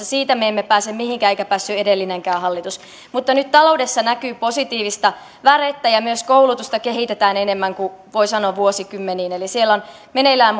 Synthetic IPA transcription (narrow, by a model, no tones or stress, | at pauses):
ɑsiːt̪æmeemːepæːsemmihiŋkæːeikæpæːsːyedelːineŋkæːhɑlːit̪us | mut̪ːɑnyt̪t̪ɑloudesːɑnækyːposit̪iːʋist̪ɑ | ʋæret̪ːæjɑmyøskoulut̪ust̪ɑkeɦit̪et̪æːnenemːæŋkuʋoisɑnoːʋʋuosikymːeniːnelisielːon | menelæːm